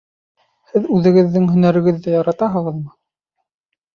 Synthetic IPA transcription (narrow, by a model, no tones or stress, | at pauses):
hɘðʉðɘ̆ɡɘ̆ðːɘŋɦɵ̆næɾɘ̆ɡɘ̆ðːæjɑɾɑt̪ɑɦɤ̆ʁɤ̆ðmɤ